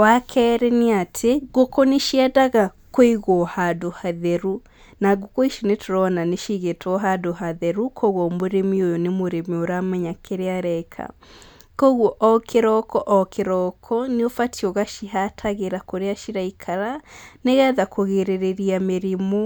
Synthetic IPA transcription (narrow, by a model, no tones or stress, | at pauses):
wakʰɛːɾɛneatʰeɡokoneʃiɛdaɣa | koiɣohadohaðɛɾu | naɡokoiʃinetʰoɾɔnaneʃiɣetʰɔɦadoɦaðɛɾukʰoɣomoɾemiojonemoɾemioɾamɛɲakʰeɾeaɾɛkʰa̰ | koɣɔʔɔkʰeɾɔkɔʔɔkʰeɾɔkʰɔneofatʰioɣaʃiɦatʰaɣeɾakoɾeaʃiɾaikʰaɾaneɣɛðakʰoɣeɾeɾeɾiameɾimo